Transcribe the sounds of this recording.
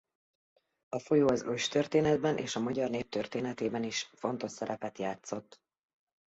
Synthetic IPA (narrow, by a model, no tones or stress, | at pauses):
ɒfo̞joːɒzøʃt̪ørt̪eːnɛd̪bɛnʔḛːʃɒmɒɟɒrneːp̚t̪ørt̪eːnɛt̪eːbɛniʃfo̞n̪t̪o̞ʃsɛɾɛpɛt̪jaːt̪so̞t̪ː